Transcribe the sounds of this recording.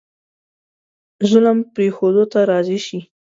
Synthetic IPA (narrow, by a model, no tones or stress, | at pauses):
zʊləmpɾexod̪ot̪aɾɑziʃi